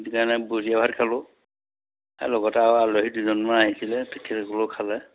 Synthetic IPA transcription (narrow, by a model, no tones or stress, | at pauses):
dikaɹnɛbuziabʱatkʰalɔ | a̰lɔɡɔtaaloɦiduzɔnmaaɦisilɛtɛkʰːɛtkɔlokʰalɛ